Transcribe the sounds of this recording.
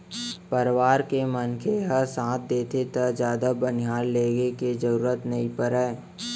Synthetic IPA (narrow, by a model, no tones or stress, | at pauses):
pəɾʋaːɾkemənkʰeɦəɾsãːt̪̚ʰd̪eːt̪ʰet̪əd͡ʒjaːd̪abəniɦaːlːeːɡeked͡ʒəɾuːɾət̪nɐɦĩpəɾəː